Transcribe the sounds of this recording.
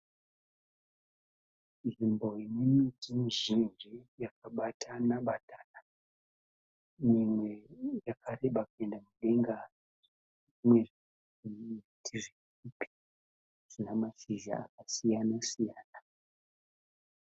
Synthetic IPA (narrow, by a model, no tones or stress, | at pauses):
nʐimbo̞imimitimiʐind͡ʒijakaɓatʰanaɓataːna | mimwejakʰareɓakuendamuɗeŋɡa | mweʐ | iutʰiʐi | ipi̥ | ʐ̥inamaʃiʒa̰a̰k̚asijanasijaːna